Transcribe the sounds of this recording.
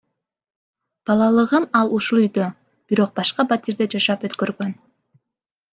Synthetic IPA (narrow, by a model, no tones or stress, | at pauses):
b̥ɑlˠɑlˠɯʁɯmɑlˠuʃulˠyjd̪ø | b̥iɾo̞q̚bɑʃqɑbat̪ʲiɾd̪ed͡ʒɑʃɑpøt̪kø̞ɾɡø̞n